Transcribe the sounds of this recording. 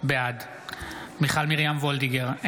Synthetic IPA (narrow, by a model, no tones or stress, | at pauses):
bead | miχalmiʁjamvold̪iɡeʁ